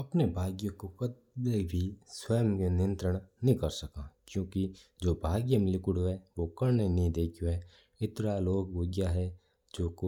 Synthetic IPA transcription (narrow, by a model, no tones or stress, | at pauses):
ɐpnebʱaːɡjokokɐt̪ | bebʱiswəjəmkenɪjə̃nt̪ɾəɽ̃nɦĩkɐɾsɐkãːkjõːkid͡ʒoːbʱaːɡjəmɪlɪkʊɽoɦɛʋokɐɾnenĩd̪eːkʰjoɦɛː | ɪt̪ɾaloːɡoɡjaɦɛ | d͡ʒoːko